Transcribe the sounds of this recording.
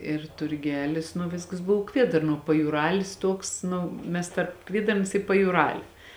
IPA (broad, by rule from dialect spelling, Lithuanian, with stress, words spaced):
ɪr tʊrʲˈɡʲæːlʲɪs nʊ ˈʋʲɪskɐs ˈbʊw ˈkʋʲiɛdɐrnuɔ pɐjuːˈrɑːlʲɪs ˈtuɔks ˈnʊ ˈmʲɛs tɐrp ˈkʋʲiɛdɐrns ɪ pɐjuːˈrɑːlʲɪ